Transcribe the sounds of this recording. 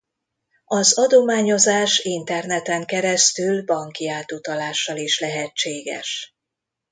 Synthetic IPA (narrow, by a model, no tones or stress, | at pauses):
ɒzɒd̪o̞maːɲo̞zaːʃint̪ɛrnɛt̪ɛŋkɛɾɛst̪ylbɒŋkiaːt̪ut̪ɒlaːʃːɒliʃlɛɦɛt͡ʃːeːɡɛ̰ʃ